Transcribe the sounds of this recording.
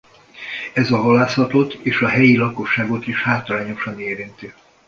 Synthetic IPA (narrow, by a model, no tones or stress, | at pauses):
ɛzɒɦɒlaːsɒt̪o̞t̪ːeːʃɒɦɛjilɒko̞ʃːaːɡo̞t̪iʃhaːt̪ɒlaːɲo̞ʃɒneːɾint̪i